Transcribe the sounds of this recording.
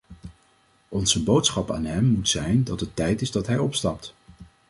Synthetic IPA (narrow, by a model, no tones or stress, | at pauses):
ɔnzəbowtsχɑpa̰ːnɦɛmːutsɛjndɑtətːɛjtɪzdɑtɦɛjɔpstɑp̚t